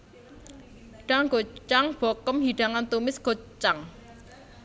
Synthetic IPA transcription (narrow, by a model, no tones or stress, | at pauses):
ɖ̥aŋɡo̤t͡ʃaŋb̥ɔkəmɦiɖ̥a̤ŋant̪umɪsɡ̥o̤t͡ʃaŋ